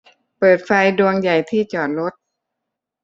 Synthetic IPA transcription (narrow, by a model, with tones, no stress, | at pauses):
pɤː˨˩t̪̚fa˧jdu˧əŋja˨˩jt̪ʰiː˥˩t͡ɕɔː˨˩t̪̚ɾo˦˥t̪̚